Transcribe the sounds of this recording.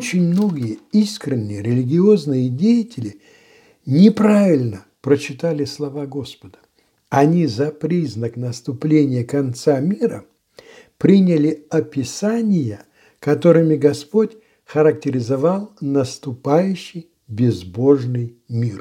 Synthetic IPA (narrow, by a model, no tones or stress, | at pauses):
ot͡ɕɪnʲmno̞ɡʲɪjəiskɾʲɪnʲːɪjəɾʲɪlʲɪɡʲɪo̞znɨjədʲejɪtʲɪlʲɪ | nʲɪpɾavʲɪlʲnə | pɾət͡ɕɪt̪alʲɪslˠɐvaɡo̞spəd̪ə̥ | ɐnʲizɐpɾʲiznəknəst̪ʊplʲenʲɪjəkɐnt̪samʲiɾə̰ | pɾʲinʲɪlʲɪɐpʲɪsanʲɪjə | kɐt̪o̞ɾɨmʲɪɡɐspo̞tʲ | xəɾəktʲɪɾʲɪzɐvalˠnəst̪ʊpajʉɕːɪj | bʲɪzbo̞ʐnɨj | mʲir